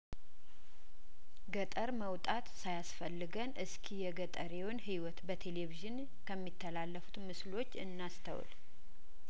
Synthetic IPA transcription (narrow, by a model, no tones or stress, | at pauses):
ɡət̪ʼəɾməwt̪ʼat̪sajasfəlːɨɡənʔɨskʰijɛɡət̪ʼəɾeɛwonɦiwɔt̪bət̪ʰe̞leviʒɨn | kʰəmːit̪ʰːəlalːəfu̥t̪mɨslo̞t͡ʃːɨnːast̪ʰə̰wl